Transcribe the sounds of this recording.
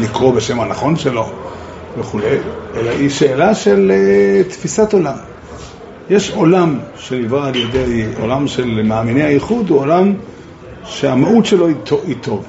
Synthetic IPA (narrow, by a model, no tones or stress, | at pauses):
likʁobeʃemhanaχo̞nʃelo̞ | veχule̞jʔelaiʃe̞ːlaʃe̞let̪fisat̪o̞lam | jeʃo̞lamʃenivʁaːlje̞d̪e̞jo̞̰lamʃe̞lmaːminejhajiχud̪uolam | ʃeamaut̪ʃelo̞itoit̪ʰo̞v